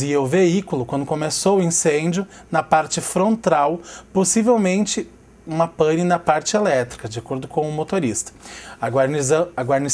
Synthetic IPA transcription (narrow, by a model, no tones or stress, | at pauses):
iɐʊveikulʊkwɐ̃nd̪ʊkõmesowʊĩsẽd͡ʒjʊ | nɐpaɾt͡ʃɪfɾõnt̪awposivewmẽnt͡ʃɪ | ũmɐpɐ̃ninɐpaɾt͡ʃɪelɛt̪ɾikɐd͡ʒɪakoɾd̪ʊkõw̃ʊmot̪oɾist̪ɐ̥ɐaɾnizɐ̃ɐɡwaɾni